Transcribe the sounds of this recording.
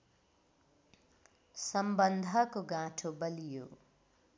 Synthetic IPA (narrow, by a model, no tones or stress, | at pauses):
sʌmbʌnd̪ʱʌkoɡãʈʰobʌlijo̰